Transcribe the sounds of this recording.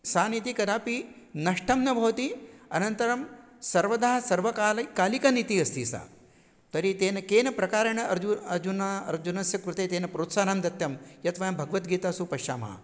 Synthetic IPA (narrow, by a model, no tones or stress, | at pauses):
saːnit̪ikɐd̪aːpi | nɐʂʈʰɐmnɐbʱɐʋt̪iɐ̰nɐnt̪ɐɾɐm | sɐɾʋɐd̪aːɦɐsɐɾʋɐkaːlkaːlikɐnit̪iɐst̪ḭːsa̰ː | t̪ɐɾit̪eːnɐkeːnɐpɾɐkaːɾɐɳɐɐɾd͡ʒuɐɾd͡ʒunaɐ̰ɾd͡ʒunɐsjɐkɾut̪eːt̪eːnɐpɾoːt̪saːnamd̪ɐt̪jɐmjɐt̪ʋɐjɐmbʱɐɡɐʋɐt̪ɡiːt̪aːsupɐʃa̰ːmɐɐ̰